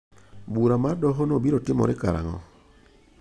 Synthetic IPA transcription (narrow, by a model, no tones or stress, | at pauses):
buɾamaɾdɔɦɔnobiɾotɪmɔ̰ɾɪka̰ɾa̰ŋɔ̰